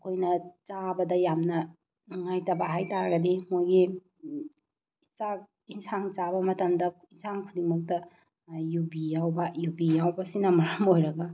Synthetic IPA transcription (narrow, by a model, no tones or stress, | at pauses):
kʰojnɐt͡ʃabɐdɐjamnɐ | ŋajtɐbaɦajtaɾɐɡɐdimojɡi | isak̚ | insaŋt͡ʃabɐmɐtɐmdɐinsʰaŋkʰudimɐk̚tɐ | jubijawbɐjubijawbɐsinɐmɐɾamojɾɐɡɐ